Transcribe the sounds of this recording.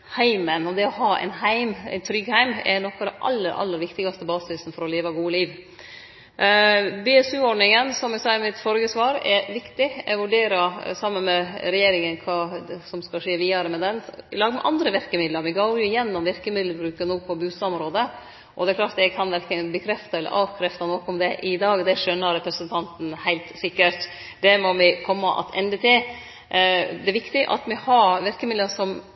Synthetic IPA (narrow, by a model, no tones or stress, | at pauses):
hæɪmənɔd̪ɛɔhɑːæ̰ɪnhæɪmæ̰ɪnt̪ʰɾʏɡhæɪmɛ̰nɔkːɑʋd̪ɛnʔɑ̰lːəɾʔɑ̰lːəɾʋɪkt̪ɪɡɑst̪əbɑːsɪsn̩fɔɾɔleːʋəɡuːəliːʋ | bɛɛsʉːɔɖɳɪŋənsɔmɛɡsɑːəɾmɪt̪fɔɾɡəsʋɑːɾɛɾʋɪkt̪ɪɛʋʉɖeːɾəsɑmənmɛɾɛjeːɾɪŋənkʰɑːsɔmskɑʂeːʋiːɑɾəmɛd̪ɛnlɑːɡəmɛ̰ʔɑ̰nd̪ɾəʋɪɾkəmɪd̪ləɾʋɪɡoʊɾjʊɪjɛnːɔmʋɪɾkəmɪd̪ləbɾʉːkənuːpʰɔbʉːsmɾoːd̪ə | ʔɔd̪ɛklɑːʈ̪d̪ɛɡkʰɑnʋæɾkənbəkʰɾɛft̪ɑɛlːə̰ɾʔɑːʋkʰɾɛft̪ɑnɔkɔmd̪ɛʔɪd̪ɑːɡd̪ɛʂœnːəɾɛpɾəsənt̪ʰɑnt̪n̩hæɪlt̪sɪkːəɾʈ | d̪ɛmɔmɪkʰɔmːəʔɑ̰t̪ʰɛnd̪ət̪ʰɪl | d̪ɛʋɪkt̪ɪʔɑ̰t̪mɪhɑɾʋɪɾkəmɪd̪əʂɔm